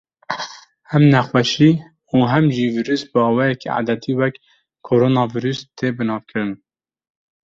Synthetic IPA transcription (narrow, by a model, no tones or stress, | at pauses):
hɛmnɛxwɛʃiː | uːɦɛmʒiːviːɾyːsbɨɑːwɑːjɛkia̰ːd̪ɛt̪iːwɛk | kʰoɾoːnɑːviːɾyst̪ʰeːbɨnɑːvkʰɨɾɨn